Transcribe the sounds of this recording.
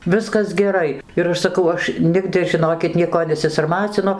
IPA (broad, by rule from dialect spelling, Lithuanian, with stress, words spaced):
ˈʋʲɪskɐs ɡʲɛˈrɐɪ ɪr ˈɐʃ sɐˈkɐʊ ˈɐʃ ˈnʲɪɡdɨ ʒʲɪˈnoːkʲɪt ˈnʲiɛkoː nʲɛsʲɪsɐrˈmɑːt͡sʲɪnʊ